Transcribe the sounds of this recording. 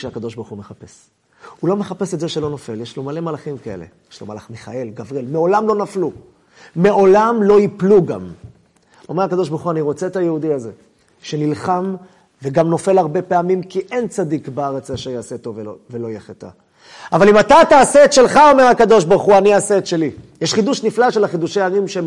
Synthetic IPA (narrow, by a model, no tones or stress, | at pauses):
ʃeakad̪o̞ʃbaʁχumeχape̞s | ulo̞me̞χapesetzeʃe̞lo̞no̞fe̞ljeʃlomale̞malaχimkae̞̰le̞̰jeʃloma̰la̰χmeχae̞lɡavʁelmeo̞lamlo̞nafluː | e̞o̞lamlo̞jipluɡa̰m | ome̞ʁakad̪o̞ʃbaʁχuaniʁo̞t͡seetajeud̪iaze̞ | ʃe̞nilχam | veɡamno̞fe̞laʁbe̞pe̞amimkiʔent͡sad̪ikbeaʁet͡saʃajaːset̪ovevelo̞jeχet̪a̰ | avalimat̪ataːseetʃe̞lχao̞me̞hakad̪o̞ʃbaʁχuaniaseːt̪ʃe̞lijeʃχiduʃniflaʃelaχid̪uʃejaʁimʃe